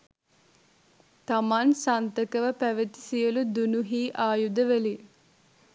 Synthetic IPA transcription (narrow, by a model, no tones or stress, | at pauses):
t̪amansant̪əkəʋəpæʋət̪i̥sijəlud̪unuɦiːʔaːjud̪əʋeli